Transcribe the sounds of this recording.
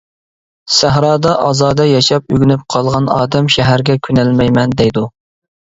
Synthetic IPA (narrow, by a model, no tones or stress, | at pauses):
sæɦɾɑːd̪ɑʔɑzɑːd̪ɛjɑʃɑp̚yɡʲynyp̚qʰɑlˠʁɑnɑ̰ːd̪ɛmʃæɦæɾɡʲɛkʲʰynɛlmɛjmɛnd̪ɛjd̪u